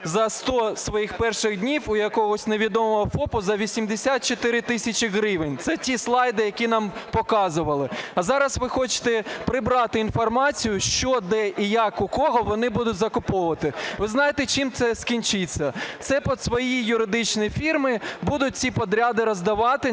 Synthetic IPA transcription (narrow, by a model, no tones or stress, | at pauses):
zɐst̪ɔsʋɔjixpɛrʃɪɣd̪ʲnʲiwʊjɐkɔɦɔsʲneʋʲid̪ɔmɔɦɔfɔpʊzɐʋʲisʲimd̪esʲat̪̚t͡ʃɔt̪ɪɾɪt̪ɪsʲɐt͡ʃɪɣɾɪʋenʲt̪sɛtʲislˠɑjd̪ɪjɐkʲin̪ɑmpɔkɑzʊʋɐlˠɪɐzɑɾɐsʋɪxɔt͡ʃɪ̥t̪ɛpɾɪbɾɑt̪ɪinfɔrmɑt͡sʲijʊʃt͡ʃɔd̪ɛʔijakʊkɔɦɔʋɔnɪbud̪ʊtʲzɐkʊpɔʋɐt̪ɪʋɪznɑjet̪ɛt͡ʃimt̪sɛskʲinʲt͡ʃɪt͡sʲːɐt̪sɛpɔsʋɔjijʊɾɪd̪ɪt͡ʃnijifʲirmɪbud̪ʊt̚ʲt͡sʲipɔd̪ɾʲad̪ɪɾɔzd̪ɐʋɑt̪ɪ